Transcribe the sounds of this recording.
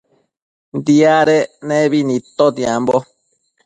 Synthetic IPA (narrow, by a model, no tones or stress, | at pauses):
nd̪iaɾeneβinĩt̪od̪iambo